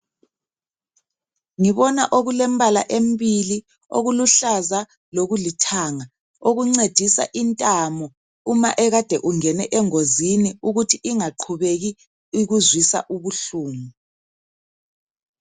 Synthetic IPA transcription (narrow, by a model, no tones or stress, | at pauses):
ŋiβɔnaʔoɣulɛmbala̰ʔembili | o̰ɣuluɬaza | loɣulitʰaːŋa | oɣuŋ͡ǀed̥ʱisa̰ʔintʼamɔ | uma̰ʔɛɣad̥ʱɛʔuŋɛnɛʔɛŋoziniuɣutʰiʔiŋaǃʰuβeɣi | iɣuzwisa̰ʔuβuɬuːmu